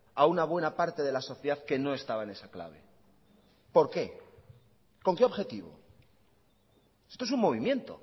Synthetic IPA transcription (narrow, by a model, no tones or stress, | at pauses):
aunaβ̞we̞napaɾt̪e̞ðe̞laso̞θjeðaðke̞no̞e̞st̪aβaene̞sakla̰β̞e̞̰ | po̞ɾke̞ | ko̞ŋkeo̞βxe̞t̪iβo̰ | se̞st̪oes̬uŋmo̞β̞imjẽ̞nt̪o̞̰